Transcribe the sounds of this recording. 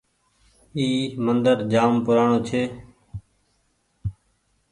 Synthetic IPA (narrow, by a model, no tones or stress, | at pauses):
iːmənd̪əɾd͡ʒaːmpʊɾaːɳoːt͡ʃʰeː